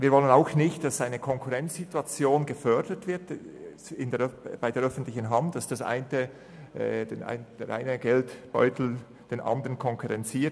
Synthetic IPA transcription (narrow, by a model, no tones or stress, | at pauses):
viːɐvɔlənaʊxnɪçtd̥ɑsaɪnəkʰɔŋkʰuʁɛnt͡sz̥ituat͡sjoːnɡəfœɾd̥ətv̥ɪɾt | ɪndeb̥aɪdeːɾœfn̩tlɪçən̩ɦɑntd̥ɑsd̥ɑsʔa̰ɪntə | dena̰ɪnd̥eʔa̰ɪnəɡɛltb̥ɔ̰ʏtʰl̩ | d̥eːnʔɑ̰ndəɾənkʰɔŋkʰuʁɛnt͡siːt